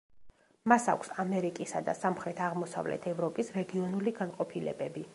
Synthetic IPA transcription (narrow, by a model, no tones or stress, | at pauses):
masa̰kʷʰsamɛɾikʼisad̪a̰samχɾɛt̪ʰaʁmɔsa̰vlɛ̰t̪ʰɛvɾɔpʼisɾɛɡiɔnuliɡanqʼɔpʰilɛ̰bɛbi